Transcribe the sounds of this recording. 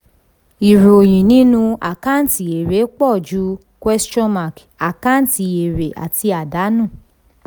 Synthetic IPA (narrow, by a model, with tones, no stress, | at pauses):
i˨ɾo˨j̃ĩ˨nĩ˦nũ˧a̰˨ka˦n˨˦ti˨e˨ɾe˨˦k͡pɔ˦˨d͡ʒu˨˦ | kwɛ˦st͡ʃɔ̃˦ma˨k | a˨kã˦n˨ti˨e˨ɾe˨ʔa̰˨ti˧a˨da˨˦nũ˦˨